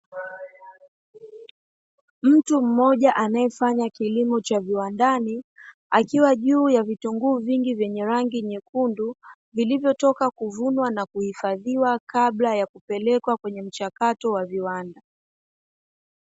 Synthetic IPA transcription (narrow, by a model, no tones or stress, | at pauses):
m̩tum̩mːɔʄaʔanajɛfaɲakilimɔt͡ʃaviwandani | akiwaʄuːjavituŋɡuːviŋɡivjɛɲɛɾaŋɡiɲɛkundu | vilivjɔtɔkakuvunwanakuhifaðiwakaɓlajakupɛlɛkwakwɛɲɛm̩t͡ʃakatɔwaviwanda